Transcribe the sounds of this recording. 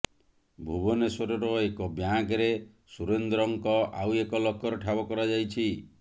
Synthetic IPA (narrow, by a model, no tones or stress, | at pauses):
bʱubɔnesɔɾɔɾɔekɔbjakɾe | suɾend̪ɾɔŋkɔawekɔlɔkɔɾeʈʰabɔkɔɾad͡ʒajt͡ʃʰi